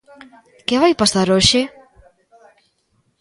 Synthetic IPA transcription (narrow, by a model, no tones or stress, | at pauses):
kɪβajpasaɾoʃɪ